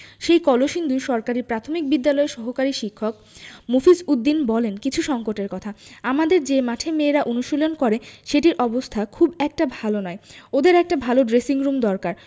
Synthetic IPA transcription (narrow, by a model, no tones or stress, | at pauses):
ʃejkɔloʃind̪ʱuʃɔɾkaɾiɾpɾat̪ʰomik̚bid̪ːalɔeʃɔɦokaɾiʃikʰːok̚ | mofisud̪ːinbɔlenkit͡ɕʰuʃɔŋkoʈeɾkɔt̪ʰaamad̪eɾd͡ʑemaʈʰemeːɾaʔonuʃolonkɔɾeʃeʈiɾʔɔbost̪ʰakʰubɛk̚ʈabʱalonɔeod̪eɾɛk̚ʈabʱaloɖɾesiŋɾumd̪ɔɾkaɾ